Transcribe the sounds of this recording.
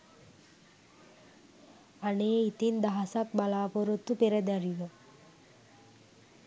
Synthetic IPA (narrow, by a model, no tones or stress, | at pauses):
aneːit̪ind̪aɦɐsak̚balaːpoɾot̪ːupeɾəd̪æɾiʋə